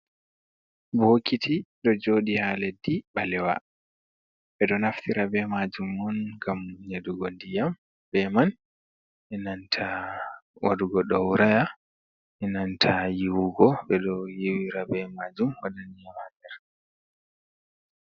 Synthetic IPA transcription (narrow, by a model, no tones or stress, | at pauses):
bokitʰiɗɔd͡ʒoɗihaledːiɓalɛwa̰ | ɓɛɗɔnaftiɾabɛmad͡ʒumːɔnɡamɲeduɡondijam | bɛman | ʔɛnantʰa | wʔa̰duɡɔɗɔwɾaja | ɛnantʰajiwuɡɔɓɛɗɔjiwiɾabɛmad͡ʒumwadanijamanɛɾ